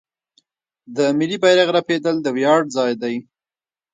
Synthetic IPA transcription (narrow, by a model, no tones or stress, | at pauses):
d̪əmɪlibajɾaɣɾaped̪əld̪əwjɑɖzɑjd̪aj